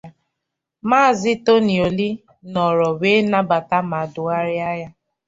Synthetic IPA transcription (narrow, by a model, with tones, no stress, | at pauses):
maː˦˨zɪ˦to˦ni˨o˨li˦ | nɔ˨ɾɔ˨we˦na˦ba˨ta˦ma˨dʊ˨a˦ɾɪ˦a˦ja˦